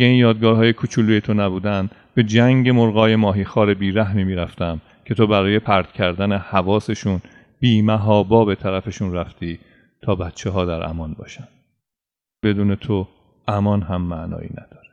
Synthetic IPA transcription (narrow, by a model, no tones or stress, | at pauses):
ɡeinjɒːd̪̚ɡɒːhɒːje̞kʰut͡ʃʰuluːje̞t̪ʰo̞næbuːd̪ænd̪̥ | be̞d͡ʒæŋɟe̞moɾɣɒːje̞mɒːɦiːxɒːɾe̞biːɾæɦmiːmiːɾæft̪æm | cʰe̞t̪ʰo̞bæɾɒːje̞pʰæɾd̪̥cʰæɾd̪æne̞hævɒːse̞ʃun | biːmæɦɒːbɒːbe̞t̪ʰæɾæfeʃunræft̪ʰiː | t̪ʰɒːbæt̪t͡ʃʰeɦɒːd̪æɾʔæ̰mɒnbɒ̰ːʃænd̪̥ | be̞d̪uːne̞t̪ʰo | ʔæmɒnɦæmːæʔnɒ̰ːḭːnæ̰d̪̥ɒ̥ːɾe